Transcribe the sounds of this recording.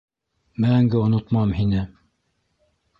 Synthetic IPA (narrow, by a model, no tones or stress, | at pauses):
mæŋɡɘonot̪mɑmhinɘ